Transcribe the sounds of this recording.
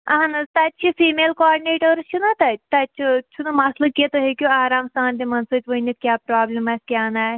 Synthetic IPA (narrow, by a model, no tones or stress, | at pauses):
ɐɦɐnɐt̪ɐt͡ʃʰifiːmeːlkoaːɖineːʈoɾt͡ʃʰunɐt̪ɐt̪ɐt͡ʃʰut͡ʃʰunɐmaslɐkiet̪oɦekʲjuaːɾaːmst̪ʰaːnt̪emɐnsɐt͡ʃ̪ʲʋoinɐkʲjaːpɾaːblɐmaskʲjaːnaː